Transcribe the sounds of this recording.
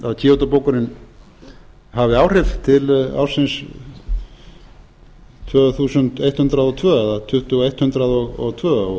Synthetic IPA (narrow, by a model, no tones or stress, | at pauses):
aðcʰiːowt̪apowkʏɾɪn | havɪaːwr̥ɛft̪ʰɪla̰wɾsɪns | t̪ʰvœːθuːsʏnt̪ejt̪hʏnt̪ɾaðɔt̪ʰvœːaðat̪ʰʏht̪ʏɔejht̪hʏnt̪ɾaðɔɣɔɣt̪ʰvœːɣa